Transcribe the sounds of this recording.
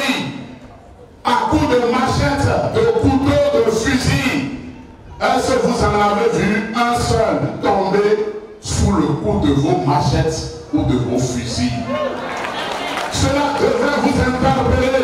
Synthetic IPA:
i | akuɖ̪emãʃɛt̪d̪ekut̪od̪efizi | esevũzãnãbeviasɔnũt̪ɔ̃mbe | fulekud̪evomãʃɛt̪ | kud̪evofizi | senãd̪evɾevũzɛ̃ŋ̩t̪ãbe

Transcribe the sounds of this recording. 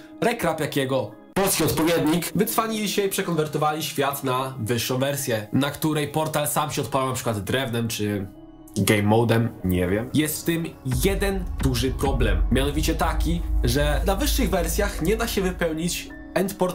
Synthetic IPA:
ɾɛkɾapjakʲɛɡɔ | pɔlskʲiɔt̪pɔvʲjɛd̪ɲikvɨt̪sfaɲilʲiɕɛipʂɛkɔnvɛɾt̪ɔvalʲiɕfʲjat̪navɘʂːɔ̃w̃vɛɾsʲjɛnakt̪uɾɛjpɔɾt̪alsamɕɛɔt̪palawnapʂɘkwad̪ːɾɛvnɛmt͡ʂɘ | ɡɛjmːɔwd̪ɛmɲɛ̰vʲjɛmjɛst̪ft̪ɘmjɛd̪ɛnd̪̥uʐɘpɾɔblɛmːʲjanɔvʲit͡ɕɛt̪akʲiʐɛnavɘʂːɘɣvɛɾsʲjaxɲɛd̪aɕɛvɘpɛwɲit͡ɕ | ɛnt̪pɔɾt

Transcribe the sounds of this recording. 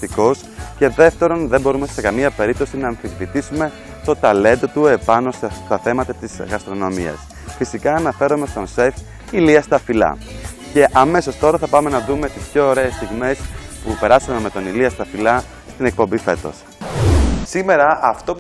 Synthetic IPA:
t̪iko̞sce̞ðe̞ft̪e̞ɾonðembo̞ɾume̞se̞kɐmiɐpe̞ɾip̚t̪o̞sinɐːɱfivvit̪isume̞ | t̪o̞t̪ɐle̞nd̪ot̪ue̞pɐno̞st̪ɐθe̞mɐt̪ɐt̪izɣɐst̪ɾo̞no̞mḭɐ̰s | fisikɐːnɐfe̞ɾome̞st̪o̞nsef | iliɐst̪ɐfilɐ̰ | ce̞ʔɐme̞so̞st̪o̞ɾɐθɐpɐme̞nɐðume̞t̪ispço̞ːɾe̞ːst̪iɣme̞spupe̞ɾɐsumeme̞t̪o̞niliɐst̪ɐfilɐ | st̪ine̞k̚po̞mbife̞̰t̪o̞̰s | sime̞ɾɐɐft̪o̞p

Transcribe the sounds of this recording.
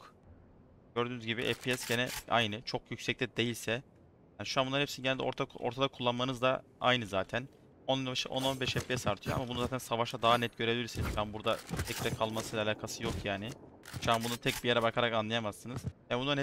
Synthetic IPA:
k | ɟø̞ɾd̪yːnyzɟibiʔɛfpiɛsɟenɛa̰jnɯt͡ʃʰo̞kjycsɛc̚t̪ʰɛd̪e̞jilʲsɛ | jaːniʃuanbunːanhɛpsiniɟenælʲd̪ɛoɾt̪ʰaʔo̰ɾt̪ʰad̪akʰulˠːanmanɯzd̪a | a̰jnɯzaːt̪ʰæn | onˠanabaʃʔono̞nbɛʃɛpːejɛsaɾt̪ʰɯjoa̰mabunuzaːt̪ʰænsavaʃad̪aɦanɛt̪ɟøɾe̞bilʲiɾsinizjanbuɾd̪at̪ʰɛcd̪ɛkʰalˠmasɯjlʲalʲaːkʰasɯjo̞kʰjaːnɪ | ʃuanbununt̪ʰɛc̚bijeɾɛbakʰaɾakanlˠajamasːɯnɯz̥jabunaɾnɛ

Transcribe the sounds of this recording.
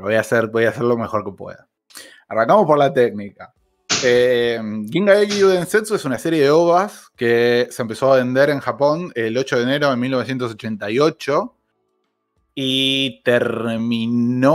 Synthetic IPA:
ojaseɾbojaseɾlo̞mexo̞ɾke̞pwḛða | araŋkamo̞spo̞ɾlat̪ek̚nika | emɡiŋɡaeɣiuðensensoesunase̞ɾje̞ðeo̞βɾaskesempe̞so̞aβe̞nd̪e̞ɾe̞ŋxapo̞nelo̞t͡ʃo̞ðeːne̞ɾo̞ðemilnoes̬je̞nt̪os̬ot͡ʃe̞nt̪ajo̞t͡ʃo̞ | it̪eɾmino

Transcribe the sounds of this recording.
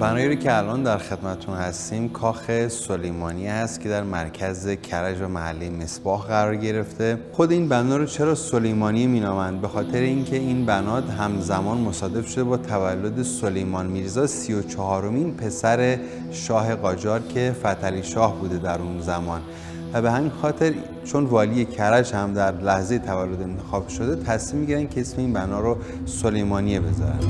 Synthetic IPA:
bænɒːjeɾucʰe̞ælʔɒnd̪æɾxe̞d̪mæt̪ʰet̪ʰunhæst̪iːmkʰɒːxe̞solejmɒːnihæst̪cʰe̞d̪æɾmæɾcʰæze̞cʰæɾæd͡ʒvæmæhælːejme̞sb̥ɒːhɣæɾɒːɾɟe̞ɾe̞ft̪e̞xo̞d̪eiːnbænɒːɾɔt͡ʃʰe̞ɾɒːso̞lejmɒːniemiːnɒːmænd̪̚be̞xɒːt̪ʰe̞ɾeincʰe̞inbænɒːd̪ɦæmzæmɒːnmo̞sɒːd̪e̞bʃod̪e̞bɒːt̪ʰævælːod̪e̞solejmɒːnmiːɾzɒːsijot͡ʃʰɒɦɒːɾo̞minpʰe̞sæɾe̞ | ʃɒːɦe̞ɣɒːd͡ʒɒːɾcʰe̞fæt̪ʰæliːʃɒːhbuːd̪e̞d̪æɾunzæmɒːn | væbe̞hæminxɒːt̪ʰe̞ɾ | t͡ʃʰonvɒːlije̞cʰæɾæd͡ʒhæmd̪æɾlæhzejet̪ʰævælːo̞d̪e̞nt̪ʰe̞xɒːb̥ʃo̞d̪e̞t̪ʰæsmimːiɟiɾænd̪̥̚cʰeesmeiːnbænɒːɾɔ | solejmɒːnijebe̞zɒ̰ːɾæ̰n

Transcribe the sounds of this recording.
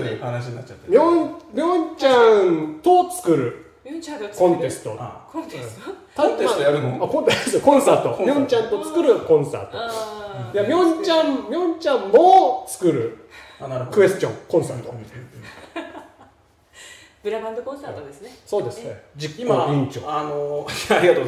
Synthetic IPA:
anɕiat͡ɕːat̪ːmʲjõɲmʲjõɲt͡ɕãt̪ot͡sɨ̥kɯ̟ɾɯ̟ | kõ̞nt̪e̞sɨ̥t̪oõs | aaɯakõnt̪eskõ̞ɰ̃saːt̪omʲjõɲt͡ɕãnt̪ot͡sɨ̥kɯ̟ɾɯkõ̞ɰ̃sa̰t̪ojamʲjõɲt͡ɕãmmʲjõ̞ɲt͡ɕãmmot͡sɨ̥kɯɾɯ̟nɾkɯ̟e̞sɨ̥t͡ɕõŋkõɰ̃saɾt̪o | b̥ɯɾaãasso̞ːd̪e̞sɨed͡ʑimanoĩɲt͡ɕo̰anoaɾʲiɡat̪o

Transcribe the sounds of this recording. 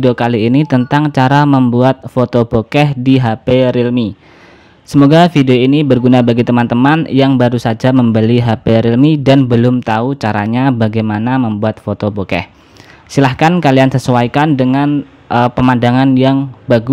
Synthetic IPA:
deokaliːnit̪ənt̪aŋt͡ʃaɾaməmbuat̪̚fot̪obokɛhdiɦapeɾilmi | səmoɡafideoinibərɡunabaɡit̪əmant̪əmanjaŋbaɾusad͡ʒaməmbəliɦapeɾilmidanbəlʊmt̪aut͡ʃaɾa̰ɲabaɡajmanaməmbuat̪̚fot̪obokɛ̰h | silahkankaliansəsuwaikandəŋan | ʔəpəmandaŋanjaŋbaɡu

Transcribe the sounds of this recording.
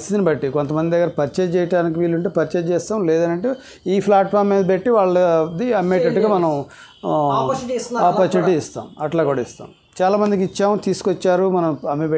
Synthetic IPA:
st̪it̪inibɐʈːikont̪ɐmɐnd̪id̪ɐɡːɐɾɐpɐɾt͡ʃeːd͡ʒt͡ʃɛːjɐʈaːnik̬iʋiːlːuɳʈeːpɐɾit͡ʃeːd͡ʒt͡ʃɛːst̪aːmlɛːd̪ɐnɐɳʈe | iːpʰlaːʈfaːɾmːiːd̪ɐbeʈːiʋaːɭːɐd̪iɐmːeːʈɐʈːuɡaːmɐnɐm | aːpɐːɾt͡ʃuniʈiːst̪a̰ːmɐʈlaːkuːɽaist̪a̰ːm | t͡ʃaːlaːmɐnd̪ikit͡ʃːaːmt̪iːsu̥kot͡ʃːaːɾumɐnɐmɐmːebe

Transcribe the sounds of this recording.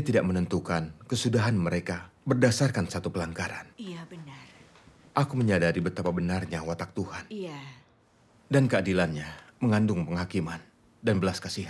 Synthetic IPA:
siat̪idaʔ̚mənənt̪ukankəsudaɦanməɾekabərdasarkansat̪upəlaŋɡaɾa̰n | ʔakuməɲadaɾibət̪apabənarɲawat̪ak̚t̪uhan | dankəadilanɲaməŋandʊŋpəŋɦakiman | danbəlaskasiɦat̪̚

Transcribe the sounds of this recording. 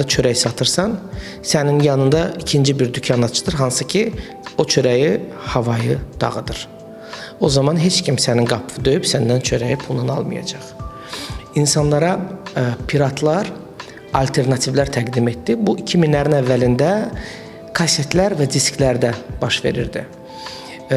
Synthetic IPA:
d̪ɑt͡ʃʰø̞ɾæjsɑt̪ʰɯɾsɑn | sæninjɑnɯnd̪ɑicʰind͡ʒibiɾd̪ycʰɑnɑt͡ʃʰɯ̥t̪ɯɾɦɑnsɯcʰi | o̞t͡ʃʰø̞ɾæji | hɑvɑjɯd̪̥ɑ̰ʁɯd̪ɯɾ̥ | o̞zɑmɑnɦe̞t͡ʃcʰimsæninɡɑpʰvɯd̪ø̞jypsænd̪ænt͡ʃʰø̞ɾæjipʰulˠnunɑ̰lˠmɯ̰jɑ̰d͡ʒɑχ | insɑnlˠɑɾɑpʰiɾɑt̪ʰlˠɑɾ | ɑlʲt̪ʰe̞ɾnɑt̪ʰivlæɾt̪ʰæɡd̪ime̞t̪d̪ibuicʰiminlæɾinævːælind̪æ | kʰɑset̪ʰlæɾvæd̪isclæɾd̪æb̥ɑʃve̞̰ɾḭɾd̪ḭ

